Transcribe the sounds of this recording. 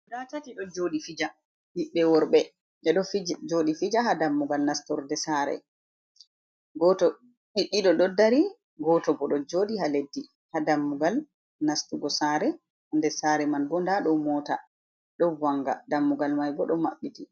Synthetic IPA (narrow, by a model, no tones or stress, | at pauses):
datatiɗɔd͡ʒoɗifid͡ʒa | ɗiɓːɛwɔɾɓɛ | ʔɛɗɔfd͡ʒoɗifid͡ʒaɦadamːuɡalnastɔɾdɛsaɾɛ̰ | ɡɔtɔ | ɗiɗːiɗɔɗɔdːaɾi | ɡɔtɔɡɔɗɔd͡ʒodihaledːi | hadamːuɡal | nastuɡɔsaɾɛ | ndɛsaɾɛmanɡɔndaɗɔmɔːta̰ | ɗɔwaŋɡa̰damːuɡalmajɡɔɗɔmaɓːiti